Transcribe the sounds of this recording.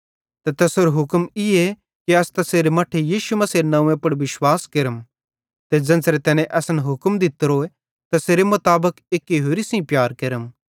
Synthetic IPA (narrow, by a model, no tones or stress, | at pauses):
t̪et̪ɛsɦoːɾɦʊkmɪe | kiɐst̪ɐseːɾemɐʈʰejiːʃumɐsiːɾnɐ̃ũːẽpɐɽʋɪʃwaːskeɾəm | t̪ed͡ʒɐ̃nsɾet̪ɛːnẽʔɛsənɦʊkmd̪ɪt̪ɾoe | t̪ɐseːɾemʊt̪aːbəkeːkːiɦoːɾisĩpjaːɾkeɾəm